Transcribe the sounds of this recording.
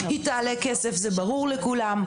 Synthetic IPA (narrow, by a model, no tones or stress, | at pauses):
hitaalɛkɛsefzɛbaʁuʁlɛkulam